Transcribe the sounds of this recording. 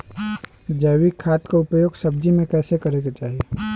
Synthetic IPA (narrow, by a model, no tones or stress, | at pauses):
d͡ʒɛːwikʰːaːt̪koʊpjoːɡsɐb̚d͡ʒimẽkɛːsekɐɾeɡat͡ʃaːɦieː